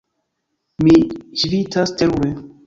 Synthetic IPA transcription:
miʃvitasteɾuɾe

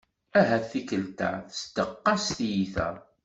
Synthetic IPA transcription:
æɦæθikəlt̪a̰θə̥st̪əqːɑsθjiθæ̰

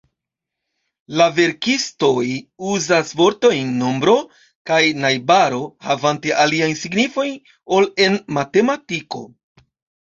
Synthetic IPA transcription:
lave̞ɾkisto̞juzasvo̞ɾto̞jnːo̞mbɾo̞ | kajnajbaɾo̞havante̞ʔaliajnsiɡnifo̞jn | o̞le̞nmate̞matiko̞̰

